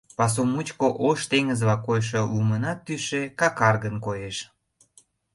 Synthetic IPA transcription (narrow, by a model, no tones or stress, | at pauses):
pɑs̬omut͡ɕkoʔoʃt̪eŋəzβɑkojʃ̬olumənɑt̪ːyʃekɑkɑrɣənkojeʃ